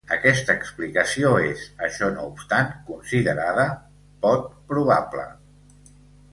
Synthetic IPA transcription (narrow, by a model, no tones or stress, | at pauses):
əkɛst̪əːksplikəsioezəʃɔnoupst̪aŋkunsiðəɾaðə | pɔt̪̚pɾuβ̞aplə̰